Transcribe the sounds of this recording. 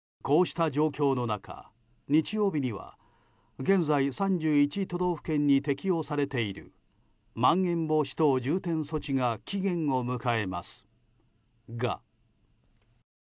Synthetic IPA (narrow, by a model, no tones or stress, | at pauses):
ko̞ːɕi̥t̪ad͡ʑo̞ːkʲo̞ːno̞nakʰa̰ | ɲ̟it͡ɕijo̞ːbʲiɲ̟iβa̰ | ɡẽ̞ñd͡zaisãɲd͡ʑɨːit͡ɕit̪o̞d̪o̞ːɸɯ̟̥kẽ̞ɲ̟ːit̪e̞kʲio̞saɾe̞t̪e̞iɾɯ̟̰ | mãŋɡẽ̞mbo̞ɕi̥t̪o̞ːd͡ʑɨːt̪ẽ̞ɰ̃so̞t͡ɕiŋakʲiɡẽ̞ŋ̃o̞mɯ̟kae̞ma̰sɨ̥ | ɡa̰